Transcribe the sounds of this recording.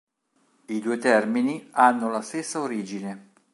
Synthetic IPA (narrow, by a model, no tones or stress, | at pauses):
id̪uːet̪ɛrminianːolast̪esːaoɾiːd͡ʒine